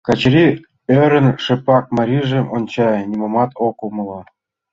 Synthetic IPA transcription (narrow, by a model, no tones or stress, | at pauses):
kɑt͡ɕɾʲi | øɾə̆nʃĕpɑk̚mɑɾʲiʒĕʔonʲt͡ɕɑnʲimomɑt̪okumɤ̆lɑ